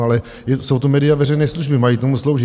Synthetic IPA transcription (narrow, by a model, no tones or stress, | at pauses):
alɛ | jɛso̞wt̪omɛːdɪjavɛrɛjnɛːsluʒbɪmajit̪omuslo̞wʒɪ